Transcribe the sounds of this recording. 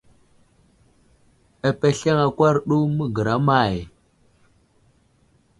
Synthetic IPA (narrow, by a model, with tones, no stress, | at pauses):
a˨pe˨ɬe˦ŋa˨kʷa˦ɾɗu˦mə˦ɡə˨ɾa˦ma˨j